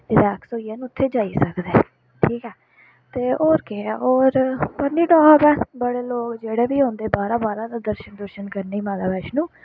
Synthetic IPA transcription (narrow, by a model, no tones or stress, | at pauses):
t̪edɛːksoːɪaːnũːʊt̪ʰːeːd͡ʒaːiːsəkd̪eː | ʈʰiːkɛː | t̪eːoːɾkeɛɦoːɾpəɾniːɖɔːɡɛːbəɽeːloːkd͡ʒeːɽeːbiːɦõːnd̪eːbaːɾãːbaːɾãːd̪aːd̪əɾʃənd̪əɾʃənkəɾniːmaːlaːbɛːɪʃnũː